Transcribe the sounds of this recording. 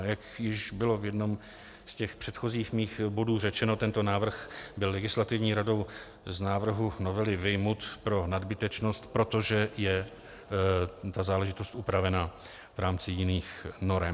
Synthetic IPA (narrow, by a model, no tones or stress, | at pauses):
jakjɪʃbɪlo̞vjɛdno̞m | scɛxpr̝̥ɛt̪xo̞ziːxmiːxbo̞duːr̝ɛt͡ʃɛno̞t̪ɛnt̪o̞naːvr̩xbɪlːɛɡɪslat̪ɪvɲiːɾado̞w | znaːvr̩ɦuno̞vɛlɪvɪjmot̪pɾo̞nadbɪt̪ɛt͡ʃno̞st̪pɾo̞t̪o̞ʒɛjɛ | t̪azaːlɛʒɪt̪o̞st̪ʔupɾavɛna | vɾaːmt͡sɪjɪniːxno̞ɾɛm